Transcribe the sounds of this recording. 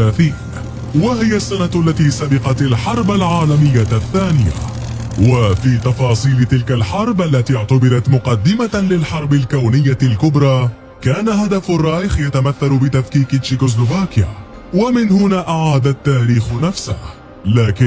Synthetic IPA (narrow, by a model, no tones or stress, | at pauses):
aːθiːn | wahɪjasːanat̪ʔalːat̪iːsabɪqɑt̪alħɑɾˤbalʕaːlamɪjːaθːaːnɪja̰ | wafiːt̪ɑfɑːsˤiːlɪt̪ɪlkalħɑɾˤbʔalːat̪iːʊʕt̪abɪɾˤɑt̪mʊqɑd̪ːɪmalɪlħɑɾˤbɪlkawnɪjːalkʊbɾˤɑː | kaːnahad̪afarˤːɑːjɪxjat̪amaθːalʊbɪt̪afkiːkɪt͡ʃɪkos̬lovaːkja̰ː | wamɪnhʊnaːʔaʕaːd̪at̪ːaːɾiːxnafsa̰h | laːkɪ